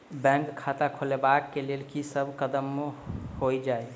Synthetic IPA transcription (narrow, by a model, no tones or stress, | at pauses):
bɛ̃ŋkkʰːat̪akʰolebakːelelkisəbʱkəd̪əmːhojd͡ʒae